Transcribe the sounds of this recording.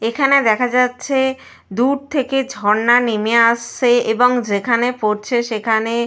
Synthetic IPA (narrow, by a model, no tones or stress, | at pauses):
ekʰaned̪ɛkʰad͡ʑatːɕʰe | d̪uɾt̪ʰeked͡ʑʱɔɾnanimeaʃeeboŋd͡ʑekʰanepoɾt͡ɕʰeʃekʰane